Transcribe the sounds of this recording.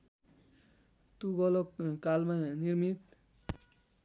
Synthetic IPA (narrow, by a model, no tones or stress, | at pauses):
t̪uɡɔlɔkkalmaniɾmit̪̚